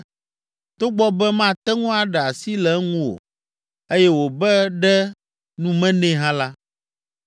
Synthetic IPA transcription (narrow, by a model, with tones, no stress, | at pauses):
t̪o˦ɡ͡bɔ˦bɛ˦mã˦t̪ɛ˦ŋũ˦a˨ɖɛ˨a˨si˦lɛ˨˦ŋũ˦wo̰˨ | e˦jɛ˦wo˨bɛ˦ɖɛ˦ | nũ˦mɛ̃˦nɛ̃˦ɦã˦la˦